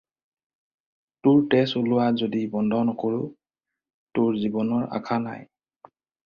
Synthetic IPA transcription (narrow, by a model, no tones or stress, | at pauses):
tʊɹtɛsolʊwazodibɔndʱɔnɔkoɹʊ | tʊɹzibɔnɔɹa̰kʰana̰j